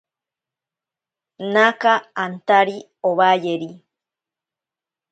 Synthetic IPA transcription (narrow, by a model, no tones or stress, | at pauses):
nakaant̪aɾi | oβajeɾi